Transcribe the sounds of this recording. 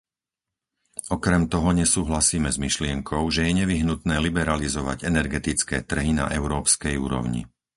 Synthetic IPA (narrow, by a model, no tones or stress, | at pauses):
ɔkɾɛmt̪ɔɦɔɲɛsuːɦlasiːmɛzmiʃlɪɛŋkʰɔʊʒɛjɛɲɛʋiɦnut̪nɛːlibɛɾalizɔʋa̰ɟɛnɛɾɡɛt̪it͡skɛ̰ːt̪r̩ɦina̰ʔɛʊɾɔːpskɛjṵːɾɔ̰ʊɲḭ